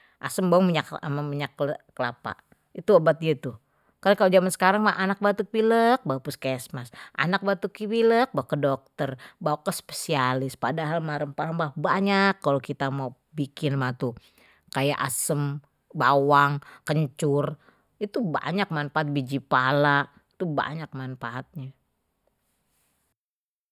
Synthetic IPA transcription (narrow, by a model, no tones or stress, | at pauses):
ʔa̰səmbawəŋməɲakmamiɲakkəla̰pa̰ | it̪uabat̪̚ɡat̪u | kaɾakalod͡ʒamansə̥kaɾaŋmahʔanak̚bat̪uk̚wilək̚baupʊskɛsmasʔa̰nak̚bat̪ukiwilək̚bakːədok̚t̪ərbaukəspe̥sialɪspadaɦalmaɾəmpaɾəmbabaɲakːalokit̪amau | bikɪnmat̪u | kajaʔa̰səm | bawaŋkəɲt͡ʃʊr | it̪uba̰ɲak̚manfaat̪̚bid͡ʒipalaʔ | t̪uba̰ɲak̚manfaʔat̪̚ɲa